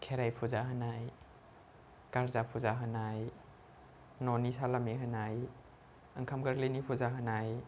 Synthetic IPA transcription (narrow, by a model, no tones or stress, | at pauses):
kʰeɾajpʰuzaɦanaj | kaɾzapʰuzaɦanaj | nɔnisʰalamiɦanaj | aŋkʰamkaɾlinipʰuzaɦanaj